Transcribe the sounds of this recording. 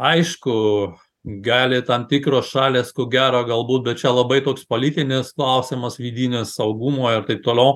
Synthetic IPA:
ɐɪʃkʊ | ɡɑːlʲɪt̪ɐmt̪ʲikɾoːsʃɑːlʲeːskʊɡʲæːɾoːɡɐlˠbuːt̪̚bʲɛt̪t͡ʃʲɛlˠɐbɐɪt̪oːkspoːlʲit̪ʲɪnʲɪsklˠɐʊsʲɪmɐsʋʲiːd̪ʲiːnʲɪssɐʊɡumoːɪɾt̪ɐɪp̚t̪oːlʲɛʊ

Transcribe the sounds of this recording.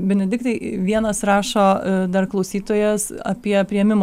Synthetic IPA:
bʲɛnʲɛd̪ʲɪk̚t̪ɐɪʋʲiɛnɐsrɑːʃoːd̪ɐrklˠɒʊsʲiːt̪oːjɛsɐ̰pʲiɛpʲɾʲiɛmʲɪm

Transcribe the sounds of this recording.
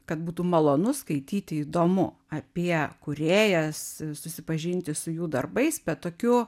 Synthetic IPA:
kɐt̪buːt̪uːmɐlˠoːnʊskɐɪt̪ʲiːt̪ʲɪid̪oːmʊ̰ | ɐpʲiɛkʊɾʲeːjɛssʊsʲɪpɐʒʲɪnʲt̪ʲɪsʊjuːd̪ɐrbɐɪsbʲɛt̪t̪oːkʲʊ

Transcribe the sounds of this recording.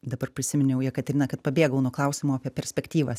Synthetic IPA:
d̪ɐbɐrpʲɾʲɪsʲɪmʲɪnʲʊjɛʊjiɛkɐt̪ʲɾʲɪnɐkɐt̪pɐbʲeːɡɐʊnuoklˠɐʊsʲɪmoːɐpʲiɛpʲɛɾʲsʲpʲɛkt̪ʲiːʋɐs

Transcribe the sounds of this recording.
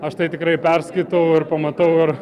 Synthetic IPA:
ɐʃt̪ɐɪt̪ʲɪkɾɐɪpʲɛrsʲkɐɪt̪ɐʊɪrpɐmɐt̪ɐʊɪr

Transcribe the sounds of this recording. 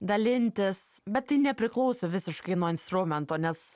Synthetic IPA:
d̪ɐlʲɪnʲt̪ʲɪsbʲɛt̪tːɐɪnʲɛpʲɾʲɪklˠɒʊsʲʊʋʲɪsʲɪʃkɐɪnuɔɪnst̪ɾʊmʲɛnt̪oːnʲɛs

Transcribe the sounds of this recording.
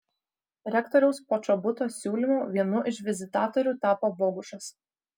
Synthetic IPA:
ɾʲɛkt̪ɔɾʲɛʊspot͡ʃɔbʊt̪oːsʲuːlʲimuːʋʲiɛnʊʔɪʃʋʲɪzʲɪt̪ɑːt̪ɔɾʲuːt̪ɑːpoːboːɡʊʃɐs

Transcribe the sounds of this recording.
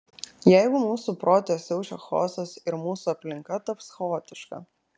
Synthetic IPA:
jɛɪɡʊmuːsupɾoːt̪ʲesʲɛʊt͡ʃʲoxo̰ːsɐsɪɾmuːsuɐpʲlʲɪŋkɐt̪ɐpsxoːt̪ʲɪʃkɐ̰

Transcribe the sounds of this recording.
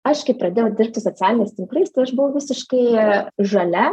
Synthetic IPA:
ɐʃkɐɪpɾɐdʲeːjɛʊd̪ʲɪrp̚ʲt̪ʲɪsot͡sʲæːlʲɪnʲɛst̪ʲɪŋkrɐɪst̪ɐɪɐʃbʊʋɐʊʋʲɪsʲɪʃkɐɪʒɐlʲɛ

